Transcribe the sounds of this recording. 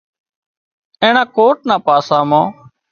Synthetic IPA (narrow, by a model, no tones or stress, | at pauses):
ẽːɳãːkoːʈ̚nãːpaːsãːmãː